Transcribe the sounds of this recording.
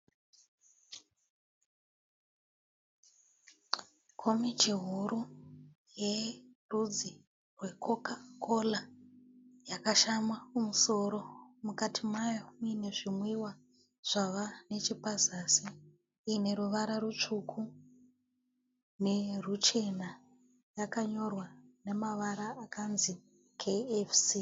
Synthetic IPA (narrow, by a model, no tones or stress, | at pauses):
kʰomit͡ʃiɦuɾu | jerud͡zi | rwe̞kokakʰola | jakaʃamwaumuso̞ɾo̞mukatʰimajomine̞ʐimwiwa | ʐ̥aʋane̞t͡ʃipazasiː | ne̞ɾuʋaɾarut͡ʂukʰu | ne̞rut͡ʃe̞na | jakaɲo̞rwane̞maʋaɾaːkanzi | kʰeefsi